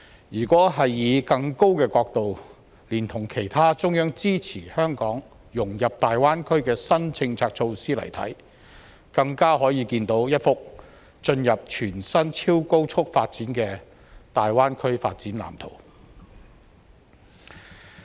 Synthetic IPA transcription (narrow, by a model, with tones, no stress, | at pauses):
jyː˨˩kʷɔː˨˥ɦɐ˨jːiː˨˧kɐ˧ŋko˥wkɛː˧kɔː˧k̚t̪o˨w | liː˨˩nt̪ʰʊ˨˩ŋkʰe˨˩jt̪ʰaː˥t͡sʊ˥ŋjœː˥ŋt͡siː˥t͡sʰiː˨˩hœː˥ŋkɔː˨˥ŋ | jʊ˨˩ŋjɐ˨p̚t̪aː˨jwaː˥nkʰɵ˥ɥkɛː˧sɐ˥nt͡sʰɪ˧ŋt͡sʰaː˧k̚t͡sʰo˧wsiː˥lɐ̰˨˩jt̪ʰɐ̰˨˥j | kɐ˧ŋkaː˥ɦɔː˨˥jiː˧kiː˧nt̪o˨˥wjɐ˥t̚fʊ˥k̚ | t͡ʃɵ˧njɐ˨p̚t͡ʃʰyː˨˩nsɐ˥nt͡sʰiː˥wko˥wt͡ʃʰʊ˥k̚faː˧t̚t͡siː˨˥nkɛː˧ | t̪aː˨jwaː˥nkʰɵ˥ɥfa̰ː˧t̚t͡siː˨˥nla̰ː˨˩mt̪ʰo̰˨˩w